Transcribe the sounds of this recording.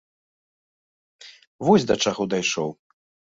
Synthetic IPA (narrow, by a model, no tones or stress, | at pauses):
vɔsʲd̪ɐt͡ʂaɣɔd̪ajʂɔw